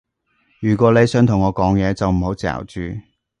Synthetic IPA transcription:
jyː˨˩k̬ʷɔː˨˥le˨˧jsœː˨˥ŋt̪ʰʊ˨˩ŋːɔː˨˧kɔː˨˥ŋjɛː˨˧t͡sɐ˨wm̩˨˩ho˨˥wt͡sɛ̰ː˨wt͡ʃyː˨

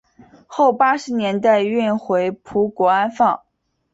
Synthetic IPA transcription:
xo˥˩ʊpa˥ʂɻ̩˧˥njɛ˧˥nt̪a˥˧ɪy˥˩nxwe˧˥ɪpʰu˧˥kwɔ˧˥a˥nfɑ˥˩ŋ

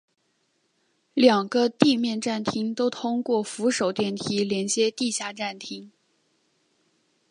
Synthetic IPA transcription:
ljɑ˨˩ŋɡə˦t̪i˥˧mjɛ˥˧nʈ͡ʂa˥˩nt̪ʰi˥ŋt̪o˥ʊt̪ʰʊ˥ŋkwɔ˥˩fu˧˥ʂo˨˩ʊt̪jɛ˥˩nt̪ʰi˥ljɛ˧˥nt͡ɕjɛ˥t̪i˥˧ɕja˥˧ʈ͡ʂa˥˩nt̪ʰi˥ŋ

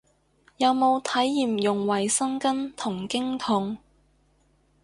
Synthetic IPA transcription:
jɐ˨˧wmo˨˧wt̪ʰɐ˨˥jːiː˨mjʊ˨˩ŋwɐ˨˩jsɐ˥ŋkɐ˥nt̪ʰʊ˨˩ŋkɪ˥ŋt̪ʰʊ˨˥ŋ

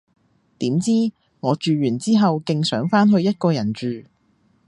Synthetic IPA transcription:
t̪iː˨˥mt͡siː˥ | ŋɔː˨˧t͡ʃyː˨jyː˨˩nt͡siː˥ɦɐ˨wkɪ˧ŋsœː˨˥ŋfaː˥nɦɵ˧ɥjɐ˥t̚kɔː˧jɐ˨˩nt͡ʃyː˨˧

